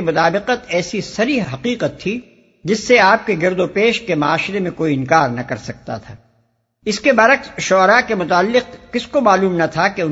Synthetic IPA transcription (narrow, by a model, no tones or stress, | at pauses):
emʊt̪aːbɪqət̪ɛːsisɐɾiɦɐqiːqət̪ʰːi | d͡ʒɪsːeaːp̚keɡɪɾd̪opeːʃkemaaːʃɪɾemẽkoːiɪ̃nkaːɾnɐkɐɾsɐk̚t̪a̰t̪ʰaː | ɪskebɐɾəksʃɔːɾakemʊt̪aːlːɪq̚kɪskomaːluːmnɐt̪ʰakeʊn